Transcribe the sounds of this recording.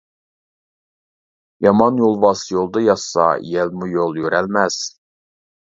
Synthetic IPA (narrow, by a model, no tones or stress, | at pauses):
jɑmɑnjolˠvɑsjolˠd̪ɑjɑsɑ̰jɛlmujolˠjøɾælmæz̥